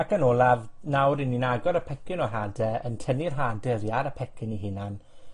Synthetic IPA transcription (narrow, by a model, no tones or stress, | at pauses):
akʰənolˠavnawɾɪnːinaɡɔɾəpʰɛkɪnɔɦadɛəntʰənirɦaːdɛɾjaɾəpʰɛkʰɪniɦɪnan